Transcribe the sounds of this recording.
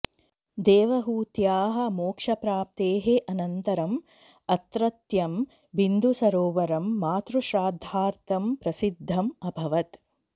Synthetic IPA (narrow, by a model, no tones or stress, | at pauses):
d̪eːʋɐɦuːt̪jaːɦɐ̆moːkʂɐpɾaːp̚t̪eːɦeʔɐnɐnt̪ɐɾɐm | ɐt̪ɾɐt̪jɐm | ʋind̪ʱusɐɾoːʋɐɾɐmːaːt̪ɾuʃɾaːd̪ʱaːɾt̪ɐmpɾɐsid̪ʱːɐmɐbʱɐʋɐt̪